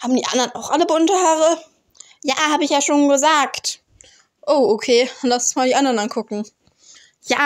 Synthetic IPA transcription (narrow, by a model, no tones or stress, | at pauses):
haːbm̩diːʔa̰ndɐnaʊxʔaləbʊntəhaːʁə | jaːhaːbɪçjaːʃoːnɡəzaːkt | ʔoʊʔokʰeːlassmaːldiːʔandɐʁnankʰʊkŋ̩ | jaː